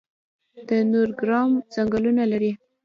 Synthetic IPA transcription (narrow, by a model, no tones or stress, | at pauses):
d̪̥ənoɾɡɾɑmzaŋɡəlunalaɾi